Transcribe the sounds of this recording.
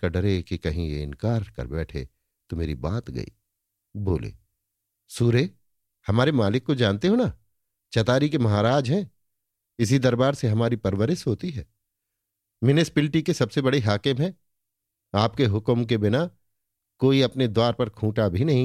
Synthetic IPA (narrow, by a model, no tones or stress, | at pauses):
kɐɖəɾekikɐɦĩjḛɪ̰̃nkaːɾkɐ̰ɾbɛːʈʰḛː | t̪omḛːɾḭbaːt̪ɡɐ̰ḭː | boːlḛː | suːɾeː | hɐmaːɾemaːlɪkːod͡ʒãːnt̪eɦoːnaː | t͡ʃɐt̪aːɾikemɐɦaːɾaːd͡ʒɦɛ̃ː | ɪs̬id̪ɐɾbaːɾseɦɐmaːɾipɐɾwəɾɪʃɦoːt̪iɦɛː | mɪnɪspɪlʈikesɐbsebɐɽeɦaːkɪmɦɛ̃ː | aːp̚keɦʊkmk̬ebɪna | koːiɐpned̪owaːɾpɐɾkʰũːʈabʱinɐɦĩ